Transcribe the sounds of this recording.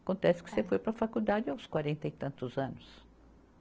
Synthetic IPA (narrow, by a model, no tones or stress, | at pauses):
kõnt̪ɛsɪ̥kɪ̥sefojpɾɐfakud̪ad͡ʒɪãw̃skwaɾẽnt̪ɐit̪ɐ̃nt̪ʊzɐ̃nʊs